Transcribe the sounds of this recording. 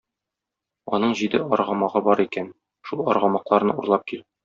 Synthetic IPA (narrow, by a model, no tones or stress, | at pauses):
ɒ̰nɤɴʑid̪ɘʔɒɾʁɑmɑʁɤbɒɾikæn | ʃulˠɒɾʁɑmɑqlˠɑɾnɤuɾlˠɑp̚kil